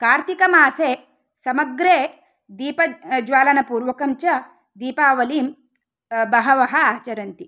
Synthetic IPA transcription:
kaːɾt̪ikɐmaːseː | sɐmɐɡɾeː | d̪iːpɐd͡ʒʋaːlɐnɐpuːɾʋɐkɐmt͡ʃɐ | d̪iːpaːʋɐliːm | bɐɦɐʋɐɦɐaːt͡ʃɐɾɐnt̪i

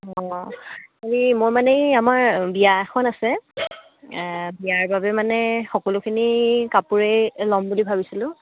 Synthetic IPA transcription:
ɔ | xaɹimojmanɛamaɹbiaxʰɔnasɛ | biaɹbabɛmanɛxɔkɔlukʰinikapuɹejlɔmbulibʱabisilʊ̃

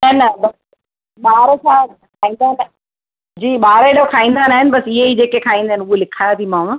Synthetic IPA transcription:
nɐnɐbɐs | ɓaːɾsãkʰaːĩːnd̪aːɦɪn | d͡ʑiːɓaːɾeɗokʰaːĩːn̆d̪aːnaːɦɪnbɐsɪɦeid͡ʑeːkekʰaːĩnd̪aːɦɪnuelɪkʰaːjat̪ʰimãː

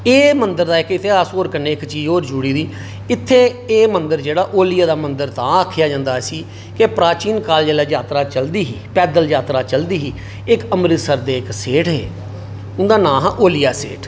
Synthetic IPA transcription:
eːmənd̪əɾd̪aːɪkɪt̪ʰːeːaːsoːɾkəɾneːɪkt͡ʃiːd͡ʒoːɾd͡ʒuːɽiːd̪iː | ɪt̪ʰːeːeːmənd̪əɾd͡ʒeːɽaːʔoːlɪjaːd̪aːmənd̪əɾt̪ãːəkʰːɪjaːd͡ʒãːnd̪aːsiː | kepɾaːt͡ʃiːnkaːld͡ʒeːlaːd͡ʒaːt̪ɾaːt͡ʃəld̪iːɦiːpɛːd̪əld͡ʒaːt̪ɾaːt͡ʃəld̪iːɦiː | ɪkəmɾɪt̪səɾd̪eːɪkseːʈɦḛː | ʊnd̪aːnãːɦaʔoːlɪjaːsḛːʈʰ

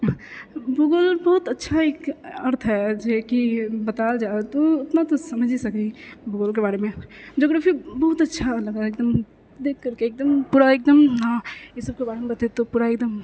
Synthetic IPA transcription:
bʊɡəlbɔɦʊt̪ɐtːʃʰaeːkɐɾt̪ʰɦɛd͡ʒekibɐt̪aːld͡ʒaːt̪oʊt̪nat̪osɐməd͡ʒʱisɐkibʊɡəlkebaːɾemẽd͡ʒoːɡɾaːfibɔɦʊt̪ɐtːʃʰalɐɡaeːk̚d̪əm | d̪eːkʰːɐɾkeːk̚d̪əmpuːɾaeːk̚d̪əmɦãjɪsəb̚kebaːɾemẽbɐt̪et̪opuːɾaeːk̚d̪əm

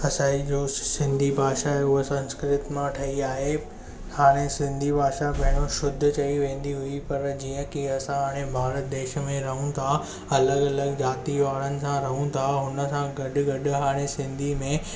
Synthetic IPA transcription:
ɐsaːid͡ʑoːsɪ̃nd̪ʱibʱaːʃaɦeʊɦosɐ̃nskɾɪt̪mãʈʰɐiaːɦe | haːɽ̃esɪ̃nd̪ʱibʱaːʃaɓɐɦɪɽ̃oʃʊd̪ʱʊ̆t͡ɕɐiʋẽːnd̪iɦʊipɐɾd͡ʑiːə̃kiɐsãɦaːɽ̃ẽbʱaːɾət̪̚d̪eːʃmẽɾɐɦũt̪ʰa | ɐləɡɐləɡd͡ʑaːt̪iʋaːɭənɪ̆sãɾɐɦũt̪ʰaɦʊnə̆sãɡɐɗʊɡɐɗʊ̆ɦaːɽ̃esɪ̃nd̪ʱimẽ

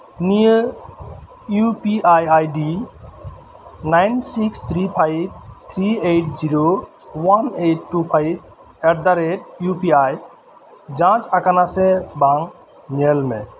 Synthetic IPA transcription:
nijə | jupiʔajajɖi | najnsikst̪ʰɾipʰajb̚t̪ʰɾieʈʰd͡ʒiɾo | waneʈːupʰajb | ɛʈ̚d̪aɾeʈ̚jupiaj | d͡ʒãt͡ʃakanasebaŋ | nelmḛ̃

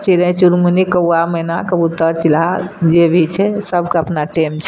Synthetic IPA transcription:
t͡ʃiɾə̃t͡ʃuɾmunikəwaməinakəbut̪ːəɾt͡ʃilad͡ʒebʱit͡ʃʰɛsəbʱkeəpnaʈemt͡ʃʰɛ

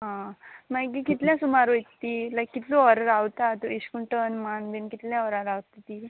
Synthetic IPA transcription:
ɦãmakikit̪ljãsumaɾojtt̪ːilajkːit̪loɔɾaɾawt̪at̪uiɕkuɳʈənmanb̪inkit̪ljãɔɾaɾawt̪at̪i

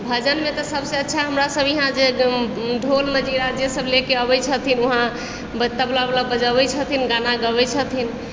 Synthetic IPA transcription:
bʱəd͡ʒənmet̪ɔsəbseətːʃʰaɦəmɾasəbiɦãd͡ʒe | ɖʱolməd͡ʒiɾad͡ʒjesəblekeəbɛt͡ʃʰət̪ʰinuɦã | bət̪əblalabəd͡ʒəbɛt͡ʃʰət̪ʰinɡanaɡəbɛt͡ʃʰət̪ʰin

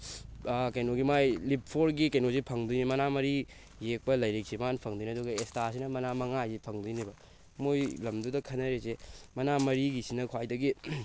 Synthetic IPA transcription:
kɐjnoɡimajlip̚pʰoɾɡikɐjnozipʰɐŋdunimɐnamɐɾi | jek̚pɐlɐjɾek̚simanpʰɐŋdiniɐduɡɐestasinɐmɐnamɐŋajzipʰɐŋdinibɐ | mojlɐmdudɐkʰɐnɐɾesemɐnamɐɾiɡisinɐkʰwajdɐɡi

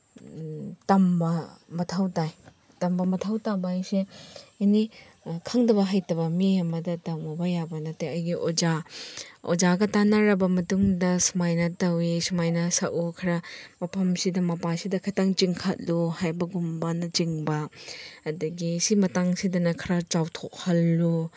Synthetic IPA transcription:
tɐmbɐmɐtʰawtaj | tɐmbɐmɐtʰawtabajseni | kʰɐŋdɐbɐɦajtɐβɐmiɐmɐdɐtɐwmubɐjabɐnɐteɐjɡiʔod͡ʒa | o̰d͡ʒaɡɐtanɐɾɐbɐmɐtuŋdɐsumajnɐtɐwisumajnɐsɐʔukʰɐɾɐmɐpʰɐmsidɐmɐpasidɐkʰɐtaŋt͡ʃiŋkʰat̚luhajbɐɡumbanɐt͡ʃiŋbɐɐdɐɡisimɐtaŋsidɐnɐkʰɐɾat͡ʃawtʰok̚hɐlːu

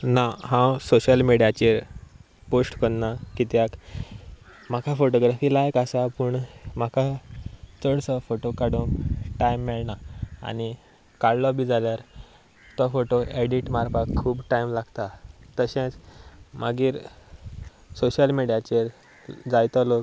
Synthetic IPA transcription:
naɦãwsoɕəlmiɽijat͡ɕeɾ | posʈkəɽnakit̪jak | makʰafoʈoɡɾafiːlajkasapuɳmakʰa | t͡səɽsəfoʈokaɽũŋkʈajmːɛɭɳa̰ːñi | kaɽlɔbiːd͡zaljaɾ | t̪ɔfoʈoʔeɽiʈmaɾpakʰːuːbʈajmlaɡt̪at̪əɕẽt͡smaɡiːɾ | soɕəlmiɽjat͡ɕeɾ | d͡zajt̪ɔlok

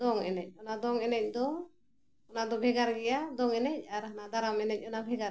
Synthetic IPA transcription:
d̪ɔŋɛ̰nɛc̚ˀɔnad̪ɔŋɛnɛc̚d̪ɔ | ɔnad̪ɔbʱɛɡaɾɡɛjad̪ɔŋɛnɛc̚aɾɦanad̪aɾamɛnɛc̚ˀɔnabʱɛɡaɾ

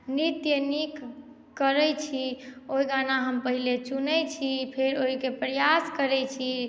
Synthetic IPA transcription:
nit̪jənikː | əɾɛjt͡ʃʰioiɡanaɦəmpəɦilet͡ʃunɛjt͡ʃʰipʰeɾoikepɾəjaskəɾɛt͡ʃʰi

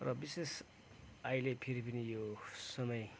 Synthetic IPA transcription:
rʌbises | ajlepʰiɾipʌnijosʌmʌj

